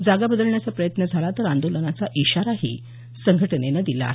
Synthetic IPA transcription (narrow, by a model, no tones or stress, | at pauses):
d͡zaɡabəd̪əlɳjat͡sapɾəjət̪nəd͡zʱalat̪əɾand̪olənat͡saʔiɕaɾaɦḭː | səŋɡʱəʈənenad̪ila̰ː